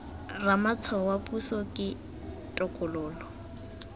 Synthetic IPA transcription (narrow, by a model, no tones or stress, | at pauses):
ramat͡sʰɔwapʼusɔkʼɪ | tʼɔkʼʊlʊːlɔ